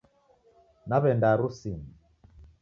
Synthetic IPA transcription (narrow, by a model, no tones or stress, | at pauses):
naβɛndaɾusini